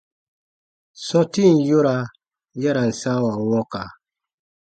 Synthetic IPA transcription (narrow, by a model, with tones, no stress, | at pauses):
sɔ̃˦ti˦n˨jo˦ɾa˨ | ja˦ɾa˨n̩˨sa˦wa˨wɔ̃˦ka˨